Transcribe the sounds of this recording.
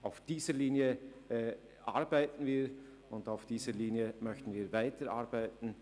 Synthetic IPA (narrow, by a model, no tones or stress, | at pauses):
ʔaʊfd̥iːzəliːnjəɛ | ʔa̰ʁbaɪtn̩viː | ʊndaʊfd̥iːzəliːnjəmœçtn̩viːvaɪtəʔaɐbaɪtn̩